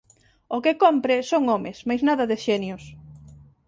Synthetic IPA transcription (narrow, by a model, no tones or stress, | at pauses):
okɪkompɾɪsoŋomɪsmajznaðɐðɪʃɛnjʊs